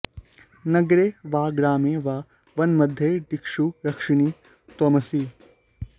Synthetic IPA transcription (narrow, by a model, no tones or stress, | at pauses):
nɐɡɾeːʋaːɡɾaːmeːʋaː | ʋɐnmɐd̪ʱːjeɖikʂuɾɐkʂɪɳiː | t̪ɔmɐsiː